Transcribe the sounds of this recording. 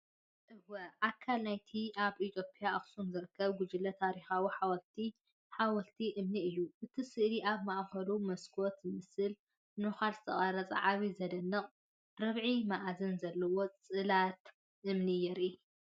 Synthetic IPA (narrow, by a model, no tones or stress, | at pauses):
ʔɨwɐʔakʰːalnajt̪ʰiʔaβʔit̪ʰjopʼjaaχsunzɨɾɨkʰːɐβɡʊd͡ʒɨlɐt̪ʰaɾixawiħawɐlt̪ʰi | ħawɐlt̪ʰiʔɨmniɨjːuʔɨt̪ʰisɨʔɾiʔaβmaʔxɐlumɐskʰot̪zɨmɨsɨl | nuxalzɨt̪ʰɐχʼɐɾɐt͡sʼɐ̰ʕaβizɐd̪ɐnːɐχʼ | ɾɐβʕimaʔzɐnzɐlːɐwo̞t͡sʼɨlat̪ | ʔɨmnijɛɾi